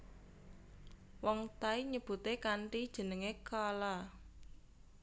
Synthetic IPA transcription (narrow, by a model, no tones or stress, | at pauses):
wɔŋt̪aiɲəb̥ṳt̪ekaɳʈid̥ʒ̥ə̤nəŋekala